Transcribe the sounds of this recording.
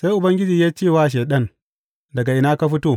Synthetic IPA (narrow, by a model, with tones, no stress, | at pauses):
sa˦jʔʊ˨bɐ˦ŋɡʲɪ˦d͡ʒiː˨jaː˦t͡ʃeː˦˨waː˦ʃ̬eː˨ɗɐ˦n | dɐ˨ɡa˨ʔɪ˨naː˦ka˦ɸɪ˦toː˦˨